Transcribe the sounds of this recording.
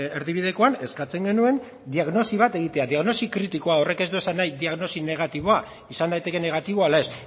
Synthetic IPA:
eɾðiβ̞iðe̞ko̞ane̞skat͡se̞ŋɡe̞nue̞n | d̪iaɣno̞siβ̞at̪e̞ɣ̞it̪e̞aðiaɣno̞sikɾit̪iko̞ao̞re̞ke̞zd̪ue̞sanːajd̪iaɣno̞sine̞ɣ̞at̪iβo̞a | isand̪ajt̪e̞ke̞ne̞ɣ̞at̪iβoalaes

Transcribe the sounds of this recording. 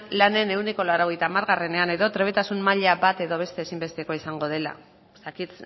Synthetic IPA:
lane̞ne̞uneko̞laeɾoɣ̞e̞jt̪aːmaɾɣare̞ne̞ane̞ðo̞t̪ɾe̞β̞e̞t̪asunmaʎabat̪e̞ðo̞β̞e̞st̪e̞ːsimbe̞st̪e̞ko̞isaŋɡo̞ð̞e̞la̰ | est̪akit̪

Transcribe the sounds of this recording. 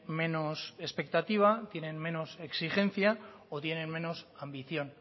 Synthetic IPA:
me̞nose̞spe̞k̚t̪at̪iβ̞at̪je̞ne̞nme̞no̞se̞ksixe̞n̟θja | ot̪je̞ne̞nmẽ̞no̞sambiθjo̞n

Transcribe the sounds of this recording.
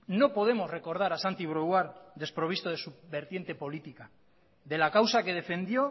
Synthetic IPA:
no̞po̞ð̞e̞mo̞zre̞ko̞ɾð̞aɾasant̪iβ̞ɾoɣwaɾðe̞spɾo̞βist̪o̞ð̞esuβe̞ɾt̪je̞nt̪e̞po̞lit̪ika | ðe̞lakawsake̞ðe̞fe̞nd̪jo̞

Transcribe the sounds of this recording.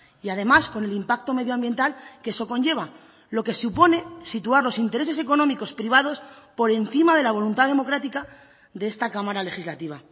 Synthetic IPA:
iað̞e̞masko̞ne̞limpak̚t̪o̞me̞ðjoambje̞nt̪alkeso̞ko̞ɲʝe̞β̞a | lo̞ke̞supo̞ne̞sit̪uaɾlo̞sint̪eɾe̞se̞s̬e̞ko̞nomiko̞spɾiβ̞að̞o̞spo̞ɾe̞nθimað̞e̞laβ̞o̞lunt̪aðe̞mo̞kɾat̪ika | d̪eest̪akamaɾale̞xizlat̪iβ̞a

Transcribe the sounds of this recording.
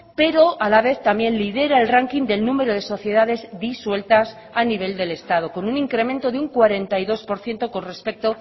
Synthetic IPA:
pe̞ɾo̞ʔalaβe̞θt̪ambje̞nlið̞e̞ɾae̞lraŋkind̪e̞lnũme̞ɾo̞ð̞e̞so̞θje̞ðaðe̞zd̪iswe̞lt̪as | aniβ̞e̞ld̪e̞le̞st̪að̞o̞ko̞nunĩŋkɾemẽnt̪o̞ðeuŋkwaɾe̞nt̪ajðo̞spo̞ɾθje̞nt̪o̞ko̞nre̞spe̞k̚t̪o̞

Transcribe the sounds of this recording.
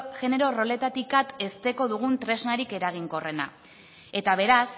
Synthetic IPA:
ʝe̞ne̞ɾo̞ro̞le̞t̪at̪ikat̪e̞st̪e̞ko̞ðuɣ̞unt̪ɾe̞znaɾike̞ɾaɣ̞iŋko̞re̞na̰ | e̞t̪aβ̞e̞ɾas

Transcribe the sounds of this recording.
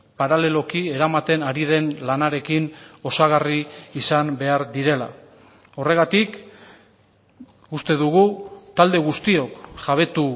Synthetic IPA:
paɾale̞lo̞kie̞ɾamat̪e̞naɾið̞e̞nlanaɾe̞kino̞saɣ̞ariːsambe̞aɾd̪iɾe̞la̰ | o̞re̞ɣ̞at̪ik | ust̪e̞ðuɣut̪ald̪e̞ɣust̪io̞kʝaβ̞e̞t̪u

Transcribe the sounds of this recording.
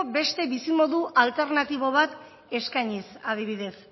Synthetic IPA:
be̞st̪e̞βisimo̞ðuʔalt̪e̞ɾnat̪iβoβ̞at̪ | e̞skajɲisað̞iβ̞iðe̞s

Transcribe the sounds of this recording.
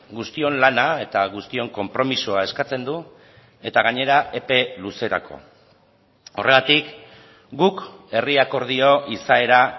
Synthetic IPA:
ɡust̪io̞nlanae̞t̪aɣ̞ust̪io̞ŋko̞mpɾo̞misoae̞skat͡se̞nd̪u | e̞t̪aɣ̞aɲe̞ɾaʔe̞pe̞luse̞ɾa̰kʰo̞̰ | o̞rʔe̞ɣat̪ik | ɡuke̞riako̞ɾð̞io̞ʔisae̞ɾa

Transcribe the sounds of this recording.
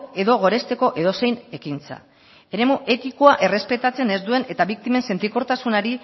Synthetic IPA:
e̞ðo̞ɣ̞o̞ɾe̞st̪e̞ko̞ʔe̞ðo̞se̞jne̞kint͡sa̰ | e̞ɾe̞muʔe̞t̪iko̞aʔe̞re̞spe̞t̪at͡se̞ne̞zd̪ue̞ne̞t̪aβik̚t̪ime̞nse̞nt̪ɾiko̞ɾt̪asunaɾi

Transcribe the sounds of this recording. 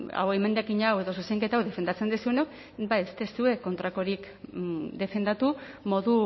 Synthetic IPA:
a̰weme̞nd̪ekiɲawe̞ðo̞susejŋke̞t̪awðe̞fe̞nd̪at͡send̪isuenok | bajest̪esue̞ko̞nt̪ɾako̞ɾik | d̪e̞fe̞nd̪at̪u | mo̞ðu

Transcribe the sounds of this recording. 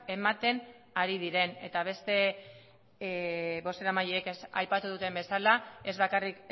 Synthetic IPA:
e̞mat̪e̞n | aɾiðiɾe̞ne̞t̪aβ̞e̞st̪e̞ | βo̞st̪e̞ɾamajeːkesa̰jpat̪uðut̪e̞mbe̞salae̞zβakarik

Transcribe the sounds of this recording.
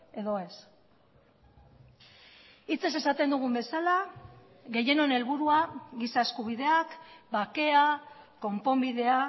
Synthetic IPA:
e̞ðo̞e̞s | it͡se̞s̬e̞sat̪e̞nd̪uɣ̞umbe̞sala | ɣe̞je̞no̞ne̞lβuɾuaɣisae̞skuβ̞iðe̞akbake̞ako̞mpo̞mbiðe̞a

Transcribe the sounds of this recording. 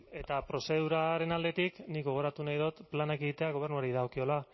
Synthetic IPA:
e̞t̪apɾo̞se̞ðuɾaɾe̞nald̪e̞t̪iknikɡo̞ɣ̞o̞ɾat̪unajðot̪planakeɣit̪e̞aɣ̞o̞β̞e̞rnuaɾiðaokio̞la

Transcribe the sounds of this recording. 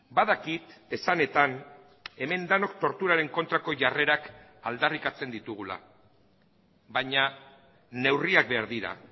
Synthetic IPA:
baðakit̪e̞sane̞t̪an | e̞me̞nd̪ano̞kt̪o̞ɾt̪uɾaɾe̞ŋko̞nt̪ɾako̞ʝare̞ɾak | ald̪arikat͡se̞nd̪it̪uɣ̞ula̰ | βaɲa | ne̞wriak̚be̞aɾðiɾa̰

